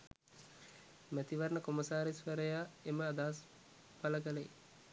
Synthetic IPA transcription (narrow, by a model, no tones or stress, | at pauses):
mæt̪iʋaɾɳəkoməsaːɾisʋəɾəjaːeməad̪aːs | paləɡələjḭ